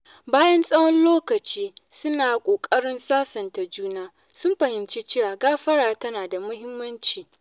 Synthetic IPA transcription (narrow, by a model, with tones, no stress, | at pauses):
baː˦jɐ˦nsʼɐ˦wɔ˦nloː˦kɐ˨t͡ʃiː˦sʊ˦naː˨kʷʼoː˨kʼɐ˦ɽɪ˦nsaː˦sɐ˨nta˨d͡ʒuː˦naː˦ | sʊ˦mɸɐ˨hɪ˨mt͡ʃeː˦t͡ʃeː˦waː˨ɡaː˦ɸɐ˦ɽaː˨tɐ˦naː˨da˨mʊ˦hɪ˦mːɐ˦nt͡ʃiː˨